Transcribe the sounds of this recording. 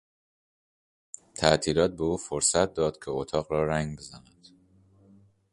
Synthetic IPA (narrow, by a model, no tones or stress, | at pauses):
t̪ʰæʔt̪ʰiːɾɒːt̪̚be̞uːfoɾsæt̪̚d̪ɒːd̪̥cʲʰeot̪ʰɒːɣɾɒːɾæŋɡbe̞zæ̰næd̪̥